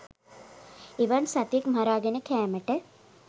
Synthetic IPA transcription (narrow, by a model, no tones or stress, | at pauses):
eʋansat̪ekmaɾaːɡenəkɛːməʈə